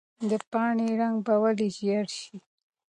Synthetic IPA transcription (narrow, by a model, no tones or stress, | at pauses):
d̪əpɑɳeɾaŋɡbawaliʒijaɽʃi